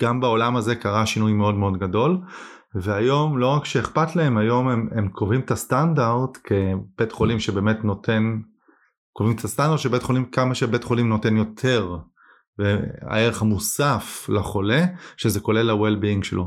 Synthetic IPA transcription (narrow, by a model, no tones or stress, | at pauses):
ɡ̥ambao̞lamaze̞kaʁaʃinujme̞o̞dmeo̞dɡado̞l | ve̞ajo̞mlo̞ʁakʃeeχpatlae̞majo̞mememkʰovimetastandaʁdkʰe̞b̥etχo̞limʃebe̞ːme̞tnotʰe̞n | kovimet̪ʰast̪andaʁd̪ʃebetχo̞limkamaʃebe̞tχo̞limno̞te̞njo̞tʰe̞ʁ | vea̰e̞ʁeχamusaflaχo̞le̞ʃezeko̞le̞lawelbiiŋɡʃelʔo